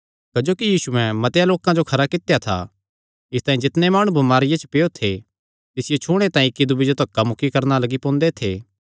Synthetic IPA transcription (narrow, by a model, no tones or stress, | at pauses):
kɐd͡ʒoːkijiːsuɛ̃mɐt̪jaloːkãd͡ʒokʰɐɾakɪt̪ejat̪ʰa̰ | ɪst̪aːĩd͡ʒɪt̪nemaːɽ̃ũbʱɐmaːɾɪjat͡ʃə̥pejot̪ʰe | t̪ɪsɪjot͡ʃʰuːɽ̃et̪ãːĩkːid̪ʊbɪd͡ʒot̪ɐkːamʊkːikɐɾnalɐɡipõːnd̪et̪ʰḛː